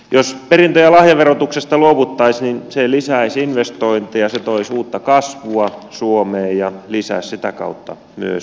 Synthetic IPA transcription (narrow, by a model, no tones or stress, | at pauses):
josperint̪øjælɑhjɑʋerot̪uksest̪ɑluoʋut̪ːɑisninselisæisinʋest̪oint̪ijɑset̪oisuːt̪ːɑkɑsʋuɑsuomeːjjɑlisæ̰ːssit̪ækɑ̰ut̪ːɑ̰ | my̰ø̰s